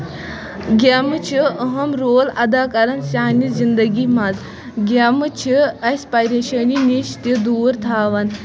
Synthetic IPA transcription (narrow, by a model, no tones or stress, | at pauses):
ɡʲemɨt͡ʃʰiəɦɐmɾoːlɐd̪aːkɐɾɐnsaːnizind̪ɐɡʲimɐz | ɡʲamɨt͡ʃʰiɐsʲpajɾeʃəniniʃt̪id̪uːɾt̪ʰaːʋɐn